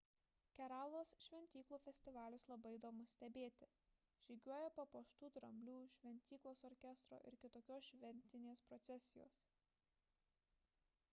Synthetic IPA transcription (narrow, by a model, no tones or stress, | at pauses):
kʲɛɾɑːlˠoːsʃʲʋʲɛnʲt̪ʲiːklˠuːfʲɛsʲt̪ʲɪʋɑːlʲʊslˠɐbɐɪd̪oːmʊsʲt̪ʲɛbʲeːt̪ʲɪ | ʒ̥ʲiːɡʲuɔjɛpɐpoːʃt̪uːt̪ɾɐmʲlʲuːʃʲʋʲɛnʲt̪ʲiːklˠoːsɔɾʲkʲɛst̪ɾo̰ːʔɪ̰ɾkʲɪt̪oːkʲoːsʃʲʋʲɛnʲt̪ʲɪnʲeːspɾɔt̪sʲɛsʲɪjo̰ːs